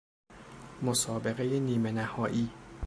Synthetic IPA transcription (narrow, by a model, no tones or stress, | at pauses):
mosɒːbe̞ɣe̞je̞niːme̞næhɒːʔiː